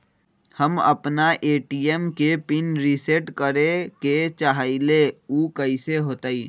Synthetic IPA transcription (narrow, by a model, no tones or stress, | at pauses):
həmə̰pnaʔeːʈiemkepɪnɾiseʈkəɾẽket͡ʃaɦaɪleuːkəiseɦoːt̪aːiː